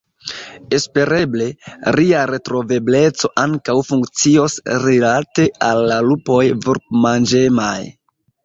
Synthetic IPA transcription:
e̞spe̞ɾe̞ble̞ɾiaɾe̞tɾo̞ve̞ble̞t͡so̞ʔaŋkawfuŋkt͡sio̞sɾilate̞alːalupo̞jvuɾpmand͡ʒemaj

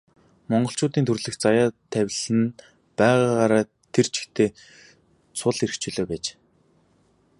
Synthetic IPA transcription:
mɔɴɢɞ̆ɬt͡ɕʊːt̪iːnt̪ʰɵrɮɘ̆xt͡sajaːt̪ʰæwʲɮɘ̆n | pæːʁaːʁaːɾaː | t̪ʰer̥t͡ɕʰɪ̥̆xt̪ʰeː | t͡sʰʊɮeɾ̆xt͡ɕʊːɮoːpæːt͡ɕː

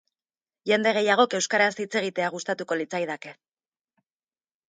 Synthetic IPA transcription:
ʝe̞nd̪e̞ɣ̞e̞jaɣ̞o̞ke̞wskaɾasit͡se̞ɣ̞it̪e̞aɣ̞ust̪at̪uko̞lit͡sajð̞ake̞

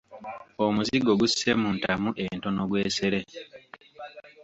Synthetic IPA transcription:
omuziɡo̞ɡusːemuːntamuʔento̞noɡwe̞ːse̞ɾe̞

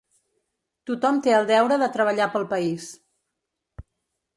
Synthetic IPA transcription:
t̪ut̪ɔmt̪eəlˠd̪ɛwɾəðət̪ɾəβ̞əʎapəlˠpəis

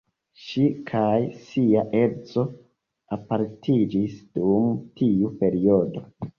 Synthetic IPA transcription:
ʃikʰajsiaʔe̞ɾt͡so̞ | apaɾtʰid͡ʒisd̥umtʰiupe̞ɾio̞do̞

